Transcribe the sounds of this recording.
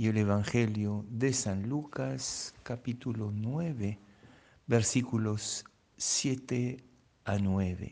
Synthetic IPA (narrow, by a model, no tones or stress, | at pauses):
ieleβaŋxeljoðesãnlukaskapit̪ulonweβe | beɾsikulosː | jet̪e | anweβḛ